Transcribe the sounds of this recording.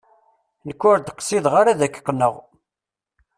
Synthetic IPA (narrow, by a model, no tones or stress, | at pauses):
nəkːʊɾd̪qːsiðʁaɾaðækːə̥qːnːəʁ